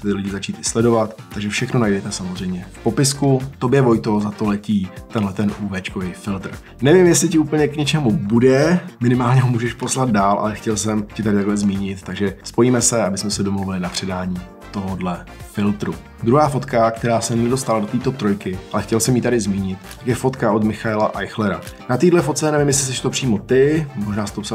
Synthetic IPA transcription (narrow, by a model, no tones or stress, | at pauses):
t̪ɪlɪɟɪzat͡ʃiːt̪ɪ̥slɛdo̞vat̪ːaɡʒɛfʃɛxno̞najdɛt̪ɛsamozr̝ɛjmɲɛfpo̞pɪskut̪o̞bjɛvo̞jt̪o̞zat̪o̞lɛciːt̪ɛnɦlɛt̪ɛnʔuːvɛt͡ʃkovɛjfɪlt̪r̩ | nɛvɪmjɛslɪcɪuːpl̩ɲɛkɲɛt͡ʃɛmubudɛmɪnɪmaːlɲɛɦomuːʒɛʃpo̞slad̪̚daːlʔa̰lɛxcɛlsɛmcɪt̪adɪt̪aɡlɛzmiːɲɪt̪ːaɡʒɛspo̞jiːmɛsɛabɪsmɛsɛdomluvɪlɪnapr̝̥ɛdaːɲiː | t̪o̞ɦodlɛ | fɪlt̪ɾu | d̪ɾuɦaːfo̞t̪kakt̪ɛɾaːsɛɛdo̞st̪alado̞t̪iːt̪o̞t̪ɾo̞jkɪʔalɛxcɛlsɛmjiːt̪adɪzmiːɲɪt̪̚t̪akjɛfo̞t̪kaʔod̪mɪxaɛlaʔajxlɛɾa̰ | nat̪iːdlɛfo̞t̪̚t͡sɛnɛvɪmjɛs̬lɪs̬ɛʃt̪o̞pr̝̥iːmo̞t̪ɪmoʒnaːsɛt̪ops